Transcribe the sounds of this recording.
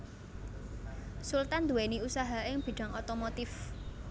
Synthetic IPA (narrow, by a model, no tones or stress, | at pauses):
sult̪and̪uweniusaɦaʔɪŋb̥i̤ɖ̥a̤ŋot̪omot̪ɪf